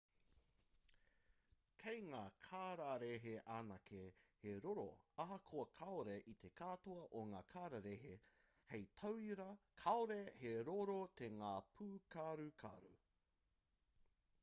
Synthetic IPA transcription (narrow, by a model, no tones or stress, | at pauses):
kʰejŋaːkʰaːɾaɾeɦeʔaːnɐkʰeheɾoɾo̰ɐɦɐkʰoɐkʰaoɾeʔit̪ʰekʰaːt̪oɐʔoŋaːkʰaːɾaɾeɦe | hejt̪ʰɐwiɾɐkʰaoɾeheɾoɾot̪ʰeŋaːpʰuːkʰaɾukʰa̰ɾṵ